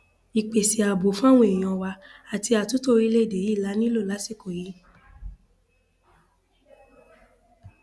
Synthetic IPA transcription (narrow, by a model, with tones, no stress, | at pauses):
i˨k͡pe˨si˨a˨bo˨˦fã˦w̃ũ˦ẽ˨ɔ̃˧˨wa˧a˨ti˧a˨tũ˨˦to˦ɾi˧˦le˦˨de˨ji˦˨la˨˦nĩ˦lo˦˨la˨˦si˦˨ko˨ji˨˦